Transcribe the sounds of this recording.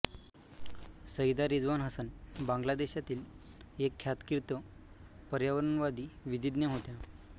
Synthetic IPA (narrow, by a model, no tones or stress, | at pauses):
səid̪aɾid͡zʋanɦəsənbãŋɡlad̪eɕjat̪iːl | ekʰːjat̪kiɾt̪ə | pəɾjaʋəɾənʋad̪iːʋid̪id̪njaɦot̪ja